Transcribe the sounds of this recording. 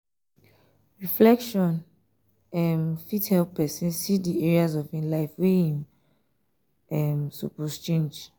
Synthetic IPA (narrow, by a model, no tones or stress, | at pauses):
ɹiflɛkʃɔ̃n | ɛmfithɛlppʰːɛsĩnsidiɛɹiazɔvĩnlaɪfwehĩm | ɛmsṵpɔst͡ʃẽnd͡ʒ